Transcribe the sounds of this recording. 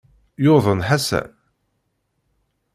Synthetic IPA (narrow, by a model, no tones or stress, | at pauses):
joðˤənħasæ̰